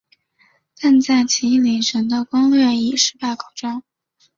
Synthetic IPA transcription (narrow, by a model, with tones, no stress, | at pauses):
t̪a˥˧nt͡sa˥˩ɪt͡ɕʰi˧˥˩li˨˩ʈ͡ʂʰə˧˥nd̪ə˧kʊ˥ŋlɥɛ˥˩i˨˩ʂɻ̩˥pa˥˩ɪkʰo˨˩ʊʈ͡ʂɑ˥˦ŋ